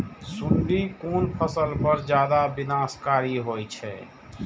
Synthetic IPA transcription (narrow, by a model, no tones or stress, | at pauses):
suɳɖikonpʰəsəlpəɾd͡ʒjad̪abinaskaɾiɦojt͡ʃʰɛ̰